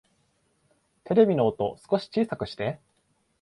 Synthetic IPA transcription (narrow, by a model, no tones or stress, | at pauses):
t̪ʰe̞ɾe̞bʲino̞ːt̪o̞sɨ̥ko̞ɕi̥t͡ɕiːsakɯ̟ɕi̥t̪e̞